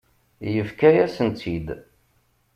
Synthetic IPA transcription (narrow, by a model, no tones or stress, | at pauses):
jəfkæjæsənt̪ʰid̪